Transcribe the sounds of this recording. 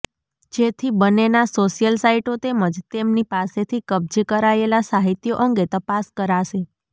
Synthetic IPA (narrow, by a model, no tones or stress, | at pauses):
d͡ʒet̪ʰibənenasoʃijəlsaiʈot̪eməd͡ʒt̪emnipaset̪ʰikəb̚d͡ʒekəɾaelasaɦit̪joʔəŋɡet̪əpaskəɾaʃe